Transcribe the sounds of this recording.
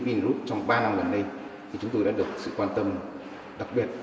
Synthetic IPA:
vi˧nzu˦˥t̚t͡ɕɔ˧wŋ͡mɓaː˧na˧mɣə˨˩nɗə˧jt̪ʰi˨˩t͡ɕʊ˨˦ŋ͡mt̪o˧jɗa̰ː˧˥ɗɨ˨˩ək̚sɨ̰˧˨kwaː˧nt̪ə˧m | ɗa˨˩k̚ɓi˨˩ət̚

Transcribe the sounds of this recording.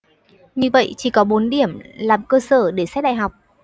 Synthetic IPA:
ɲɨ˧və̰˧˨jt͡ɕi˧˩kɔ˨˦ɓo˨˦nɗi˧˩əmlaː˨˩mkəː˧səː˧˩ɗe˧˩sɛ˦˥t̚ɗa̰ː˧˨jɦa˨˩wk͡p̚

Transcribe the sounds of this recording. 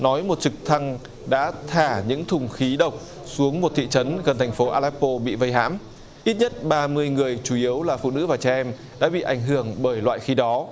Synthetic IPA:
nɔ˨˦jmo˨˩t̚t͡ɕɨ˨˩k̚t̪ʰa˧ŋ | ɗa̰ː˧˥t̪ʰaː˧˩ɲɨ̰˧˥ŋt̪ʰʊ˨˩ŋ͡mxi˨˦ɗə˨˩wk͡p̚ | su˨˦əŋmo˨˩t̪̚ʰḭ˧˨t͡ɕə˨˦nɣə˨˩nt̪ʰjŋ̟fo˨˦ʔaː˧lɛ˦˥pːo˧ɓḭ˧˨və˧jɦa̰ː˧˥m | ʔi˦˥t̚ɲə˦˥t̚ɓaː˧mɨ˧əjŋɨ˨˩əjt͡ɕu˧˩ʔi˨˦əwlaː˨˩fṵ˧˨nɨ̰˧˥vaː˨˩t͡ɕaː˧ʔɛ˧m | ɗa̰ː˧˥ɓḭ˧˨ʔa˧˩jŋ̟ɦɨ˧˩əŋɓəː˧˩jlwa̰ː˧˨jxi˨˦ɗɔ˨˦

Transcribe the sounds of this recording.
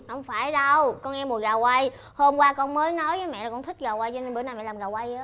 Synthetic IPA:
ʔə˧wŋ͡mfaː˧˩jɗə˧wkɔ˧nŋɛ˧mu˨˩əɣaː˨˩wwa˧j | ho˧mkwaː˧kɔ˧nməː˨˦jnɔ˨˦jvəː˨˦jmɛ̰˧˨la˨˩kɔ˧nt̪ʰi˦˥k̟̚ɣaː˨˩wa˧jt͡ɕɔ˧ne˧nɓə˨˩˦naː˧˩mɛ̰˧˨laː˨˩mɣaː˨˩wa˧jəː˨˦

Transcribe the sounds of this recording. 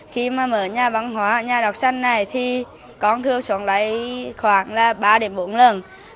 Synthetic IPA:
xi˧maː˨˩məː˧˩ɲaː˧˩va˧˩ŋɦwaː˨˦ɲaː˨˩ɗɔ˨˩wk͡p̚sa˧jŋ̟na˨˩jt̪ʰi˨˩ | kɔ˨˦nt̪ʰɨ˧əwsə˨˦ənla̰˨˧˦jxwaː˧˩ŋlaː˨˩ɓaː˧ɗe˨˦mɓo˨˦nlə˨˩n

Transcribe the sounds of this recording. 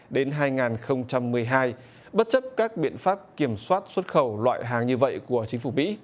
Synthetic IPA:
ɗe˨˦nɦaː˧jŋaː˨˩nxə˧wŋ͡mt͡ɕa˧mːɨ˨˩əjɦaː˧j | ɓə˦˥t̚t͡ɕə˦˥p̚kaː˦˥k̚ɓḭ˧˨ənfaː˦˥p̚ki˧˩əmswaː˦˥t̚swə˦˥t̚xə˧˩wlwa̰ː˧˨jɦaː˨˩ŋɲɨ˧və̰˧˨jku˧˩ət͡ɕï˨˦ŋ̟fu˧˩mḭ˧˥

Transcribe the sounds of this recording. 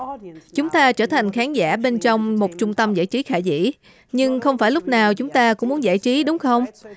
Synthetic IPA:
t͡ɕʊ˨˦ŋ͡mt̪aː˧t͡ɕəː˧˩t̪ʰa˨˩jŋ̟xaː˨˦nzaː˧˩ɓe˧nt͡ɕɔ˧wŋ͡mmo˨˩t̚t͡ɕʊ˧ŋ͡mt̪ə˧mza̰ː˧˩jt͡ɕi˨˦xaː˧˩zḭ˧˥ | ɲɨ˧ŋxə˧wŋ͡mfaː˧˩jlʊ˦˥k͡p̚naː˨˩wt͡ɕʊ˨˦ŋ͡mt̪aː˧kʊ̰˧˥ŋ͡mmu˨˦ənza̰ː˧˥˩jt͡ɕi˨˦ɗʊ˨˦ŋ͡mxə˧wŋ͡m

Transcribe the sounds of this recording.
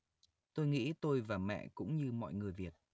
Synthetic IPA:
t̪o˧jŋḭ˧˥t̪o˧jvaː˨˩mɛ̰˧˨kʊ̰˧˥ŋ͡mɲɨ˧mɔ̰˧˨jŋɨ˨˩əjvi˨˩ət̚

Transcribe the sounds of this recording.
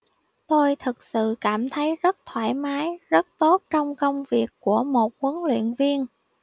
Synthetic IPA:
t̪o˧jt̪ʰɨ˨˩k̚sɨ̰˧˨kaː˧˩mt̪ʰə˨˦jzə˦˥t̚t̪ʰwaː˧˩jmaː˨˦jzə˦˥t̚t̪o˦˥t̚t͡ɕɔ˧wŋ͡mkə˧wŋ͡mvi˨˩əkːu˧˩əmo˨˩t̚kwə˨˦nlwḭ˧˨ənvi˧ən

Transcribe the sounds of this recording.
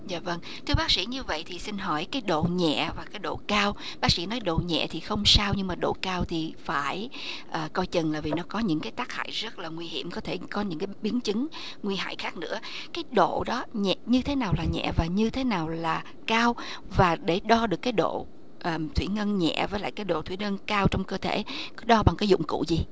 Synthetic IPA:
za̰ː˧˨və˧ŋ | t̪ʰɨ˧əɓaː˦˥k̚sḭ˧˥ɲɨ˧və̰˧˨jt̪ʰi˨˩si˧nɦɔ˧˩jkaː˨˦jɗo̰˧˨ɲɛ̰˧˨vaː˨˩kaː˨˦jɗo̰˧˨kaː˧w | ɓaː˦˥k̚sḭ˧˥nɔ˨˦jɗo̰˧˨ɲɛ̰˧˨t̪ʰi˨˩xə˧wŋ͡msaː˧wɲɨ˧ŋmaː˨˩ɗo̰˧˨kaː˧wt̪ʰi˨˩faː˧˩j | ʔəː˨˩kɔ˧jt͡ɕə˨˩nlaː˨˩vi˨˩nɔ˨˦kɔ˨˦ɲɨ̰˧˥ŋkaː˨˦jt̪aː˦˥k̚ha̰ː˧˨jzə˦˥t̚laː˨˩ŋwi˧hi˧˩əmkɔ˨˦t̪ʰe˧˩kɔ˨˦ɲɨ̰˧˥ŋkaː˨˦ɓi˨˦ənt͡ɕɨ˨˦ŋ | ŋwi˧ha̰ː˧˨jxaː˦˥k̚nɨ̰˧˥ə | kaː˨˦jɗo̰˧˨ɗɔ˨˦ɲɛ̰˧˨ɲɨ˧t̪ʰe˨˦naː˨˩wlaː˨˩ɲɛ̰˧˨vaː˨˩ɲɨ˧t̪ʰe˨˦naː˨˩wlaː˨˩ | kaː˧w | vaː˨˩ɗe˧˩ɗɔ˧ɗɨ˨˩əkːaː˨˦jɗo̰˧˨ | ʔəː˨˩t̪ʰwi˧˩ŋə˧nɲɛ̰˧˨vəː˨˦jla̰ː˧˨jkaː˨˦jɗo̰˧˨t̪ʰwi˧˩ŋə˧nkaː˧wt͡ɕɔ˧wŋ͡mkəː˧t̪ʰe˧˩˨ | ɗɔ˧ɓa˨˩ŋkaː˨˦jzʊ̰˧˨ŋ͡mkṵ˧˨zi˨˩

